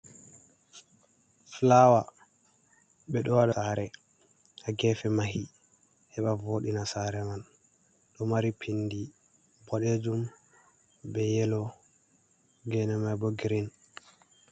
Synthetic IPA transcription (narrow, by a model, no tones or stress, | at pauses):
flawa | ɓɛɗɔwaɗasaɾɛ | aɡɛfɛmahi | hɛɓavoɗinasaɾɛman | ɗɔmaɾipʰindi | bɔɗed͡ʒum | bɛjɛlɔ | ɡɛnɛmajbɔɡɾin